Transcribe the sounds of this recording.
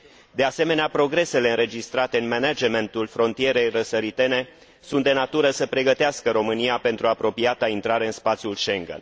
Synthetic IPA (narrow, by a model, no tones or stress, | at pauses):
d̪e̞ase̞me̞neapɾo̞ɡɾe̞se̞leɨnɾe̞d͡ʒist̪ɾat̪e̞ɨnmenad͡ʒement̪ulfɾo̞nt̪ie̞ɾe̞jrəsəɾit̪e̞ne̞ | sunt̪d̪e̞nat̪uɾəsəpɾe̞ɡət̪easkəɾo̞mɨnijape̞nt̪ɾuapɾo̞piat̪aint̪ɾaɾe̞ɨnspat̪sjulʃe̞ŋɡə̰n